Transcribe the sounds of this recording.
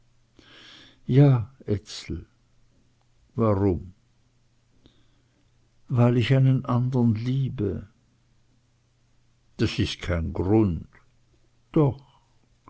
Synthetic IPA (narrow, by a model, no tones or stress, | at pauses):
jaːʔɛt͡sl̩ | vaʁʊm | vaɪlɪçaɪnənʔandəʁnliːbə | d̥asɪst̚kʰaɪnɡʁʊnt | d̥ɔx